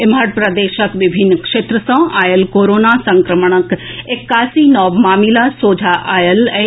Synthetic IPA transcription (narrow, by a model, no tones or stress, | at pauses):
ɪmaɽpɾɐd̪eːʃəkʋɪbʱɪnːkʂeːt̪ɾəsɐ̃aːjəlkoːɾoːnasɐ̃ŋkɾəməɳ̃əkekːaːsinɔːʋmaːmilasoːd͡ʒʱaʔaːjəlɛ